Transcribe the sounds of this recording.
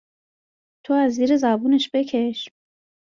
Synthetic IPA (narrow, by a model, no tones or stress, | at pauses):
t̪ʰoæzːiːɾezæbuːneʃb̥e̞cʰe̞ʃm